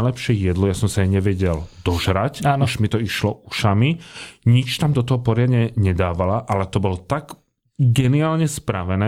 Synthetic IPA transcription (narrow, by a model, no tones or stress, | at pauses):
ɪlɛpʃɪɛjɛd̪lɔjasɔmsaajɲɛʋɛɟɛld̪ɔʒɾacaːnuʃmit̪ɔiʃlɔʔuʃamiɲit͡ʃt̪amd̪ɔt̪ɔɦɔpɔɾɪad̪ɲɛɲɛd̪aːʋalaʔalɛt̪ɔbɔlt̪aɡ | ɡɛniaːlɲɛspɾaʋɛnɛː